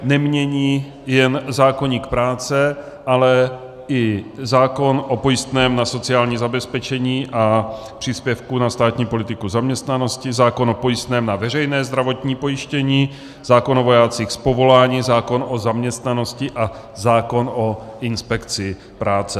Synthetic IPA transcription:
nɛmɲɛɲiː | jɛnzaːko̞ɲiːkpɾaːt͡sɛ | ʔalɛ | ɪzaːko̞nʔo̞po̞jɪst̪nɛːmnaso̞t͡sɪaːlɲiːzabɛspɛt͡ʃɛɲiːʔa | pr̝̥iːspjɛfkunast̪aːt̪ɲiːpo̞lɪt̪ɪkuzamɲɛst̪nano̞scɪzaːko̞nopo̞jɪst̪nɛːmnavɛrɛjnɛːzd̪ɾavo̞t̪ɲiːpo̞jɪʃcɛɲiː | z̥aːko̞novo̞jaːt͡siːxspo̞vo̞laːɲiːzaːko̞nʔozamɲɛst̪nano̞scɪʔa | zaːko̞nʔoɪnspɛkt͡sɪ | pɾaːt͡sɛ

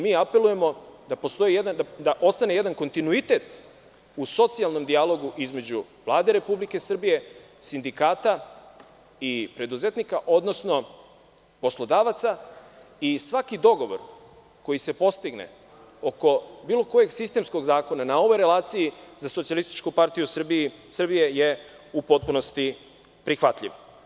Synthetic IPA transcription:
miːape̞lˠuje̞mo̞d̪apo̞st̪o̞jijed̪and̪ad̪aʔo̞st̪ane̞je̞d̪anko̞nt̪inuit̪e̞t̪ | uso̞t̪sijalˠno̞md̪ialˠo̞ɡuʔizme̞d͡ʑu | ʋlˠaːd̪e̞ɾe̞publikesr̩bije̞ | sind̪ikaːt̪a | ipɾe̞d̪uze̞t̪nikaʔo̞d̪no̞sno̞ | po̞slˠo̞d̪aːʋat̪sa | isʋakid̪o̞ɡo̞ʋo̞̰ɾ | ko̞jise̞po̞st̪iɡnḛ | o̞ko̞biːlˠo̞ko̞je̞ɡsist̪e̞msko̞ɡzaːko̞nanao̞ʋo̞jɾe̞laːt̪sijizasot̪sijalist̪i̥t͡ʃkupaɾt̪ijusr̩biisr̩bije̞je | upo̞t̪̚puno̞st̪i | pɾixʋat̪ʎʲḭʋ

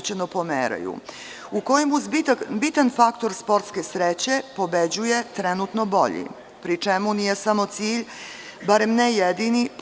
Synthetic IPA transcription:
t͡ɕenopomḛːɾa̰jṵ | uko̞jimuzbit̪anfakt̪oɾspo̞ɾt̪ske̞sɾet͡ɕe̞po̞bed͡ʑuje̞t̪ɾɛnut̪nobo̞̰ʎḭ | pɾit͡ʂemunijesamo̞t̪siːʎ | baɾe̞mnejed̪inip

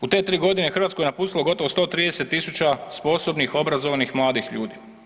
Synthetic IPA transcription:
ut̪e̞t̪ɾiːɡo̞d̪inexɾʋat̪koenapuːst̪ilo̞ɡo̞t̪oʋost̪o̞ːt̪ɾiːd̪eset̪ːisut͡ʃaspo̞so̞bnixo̞bɾazoʋanixmlˠaːd̪ixʎuːd̪i

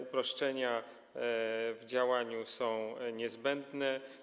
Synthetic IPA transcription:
upɾɔʂt͡ʂɛɲa | vd͡ʑawaɲusɔ̃w̃ɲɛzbɛnd̪nɛ

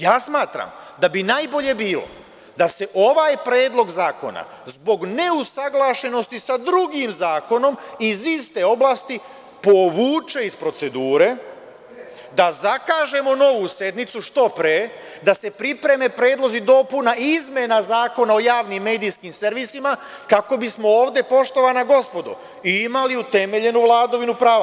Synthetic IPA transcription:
jaːsmaːt̪ɾa̰md̪abinaːjbo̞ʎe̞biːlo̰ | d̪ase̞ʔo̞ʋajpɾe̞ːd̪lo̞ɡzaːko̞̰na̰zbo̞ɡne̞usaɡlˠaːʃe̞no̞st̪isad̪ɾuɡimzaːko̞no̞mizist̪e̞o̞blaːst̪i | po̞ʋuːt͡ʃe̞ispɾo̞t̪se̞d̪uːɾe̞ | d̪azakaːʒe̞mo̞no̞ʋuse̞d̪nit̪suʃt̪o̞pɾeː | d̪ase̞pɾipɾe̞me̞pɾe̞ːd̪lˠo̞zid̪o̞punaizme̞nazaːko̞nao̞jaːʋnimːe̞ːd̪ijskimse̞ɾʋisima | kako̞bismo̞oːʋd̪e̞po̞ʃt̪o̞ʋanaɡo̞spo̞d̪o̰ | iimaliut̪e̞me̞ʎe̞nuʋlˠaːd̪oʋinupɾaːʋa

